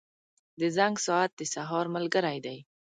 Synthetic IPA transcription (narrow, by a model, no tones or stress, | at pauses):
d̪əzaŋɡsɔat̪̚d̪əsaɦɑɾmalɡəɾajd̪aj